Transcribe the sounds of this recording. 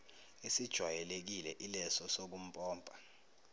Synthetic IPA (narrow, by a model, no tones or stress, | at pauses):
esid̥ʒ̥ʱwajɛlek̬ilɛʔilɛsɔsok̬um̩pʼɔːmbʱʼa